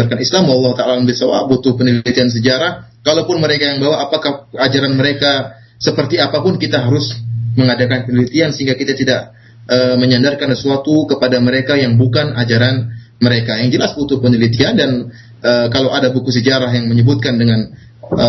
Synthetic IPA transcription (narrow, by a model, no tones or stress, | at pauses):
arkanislamwalːɑhut̪aʔalalmbisawa̰but̪ʊhpənəlit̪ians̬əd͡ʒaɾahkalawpʊnməɾekajaŋbawaʔːpakahad͡ʒaɾanməɾeka | səpərt̪iapapʊnkit̪aɦaɾʊsməŋadakanpənəlit̪iansəɦiŋɡakit̪at̪idaʔ | ʔəməɲandarkansəsuat̪ukəpadaməɾekajaŋbukanad͡ʒaɾan | məɾekajaŋd͡ʒəlasbut̪ʊhpənəlit̪iandan | ʔəkalawʔadabukusəd͡ʒaɾaɦjaŋməɲəbʊt̪̚kandəŋan | ə